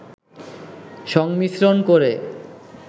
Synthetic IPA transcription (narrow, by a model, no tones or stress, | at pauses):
ʃɔŋmisɾonkoɾe